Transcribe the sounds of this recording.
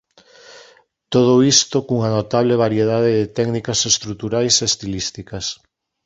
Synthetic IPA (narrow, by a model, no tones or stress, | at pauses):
t̪oð̞oist̪okuŋanot̪aβ̞leβ̞aɾjeðaðeðɪt̪ɛknikasest̪ɾut̪uɾajseːst̪ilist̪ikas